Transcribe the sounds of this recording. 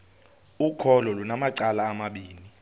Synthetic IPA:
ukʰɔlɔlunamaǀalaːmaɓiːni

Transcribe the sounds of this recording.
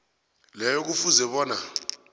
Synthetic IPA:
lɛjɔk̬ufuzɛɓɔːna

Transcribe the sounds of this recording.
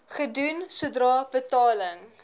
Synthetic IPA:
χədunsuədrɑːb̥ətɑːləŋ

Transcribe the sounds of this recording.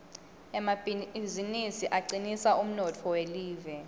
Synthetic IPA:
ɛmazinisiʔaǀinisaum̩nɔtʰɔweliːvɛ

